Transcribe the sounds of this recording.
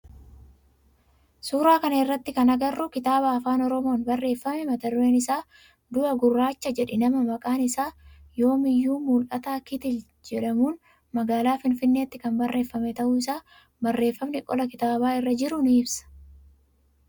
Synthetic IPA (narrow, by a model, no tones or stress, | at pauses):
suːɾaːkɐnɐɪrːɐt̪ːɪkɐnɐɡɐrːʊkɪt̪aːbaːɐfaːnɔɾɔmo̞ːnbɐrːe̞ːfːɐmɛmɐt̪ɐrːe̞ːnɪsaː | d̪ʊɐɡʊrːaːt͡ʃːɐd͡ʒɛᶑɛnɐmɐmɐkʼaːnɪsaːjo̞ːmɪjːuːmʊlʔɐt̪aːkɪt̪ɪ | d͡ʒɛᶑɐmuːn | mɐɡaːlaːfɪnfɪnːe̞ːt̪ːɪkɐmbɐrːe̞ːfːɐmɛt̪ɐʔʊɪsaː | bɐrːe̞ːfːɐmnɛkʼɔlɐkɪt̪aːbaːɪrːɐd͡ʒɪɾʊnɪɪbsɐ̥